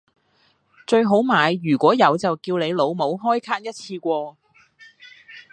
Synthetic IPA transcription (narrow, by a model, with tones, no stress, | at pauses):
t͡ʃɵ˧ɥɦo˨˥wmaː˨˧jːyː˨˩kʷɔː˨˥jɐ˨˧wt͡sɐ˨wkiː˧wne˨˧jlo˨˧wmo˨˧wɦɔː˥jkʰaː˥t̚jɐ˥t̚t͡sʰiː˧kʷɔː˧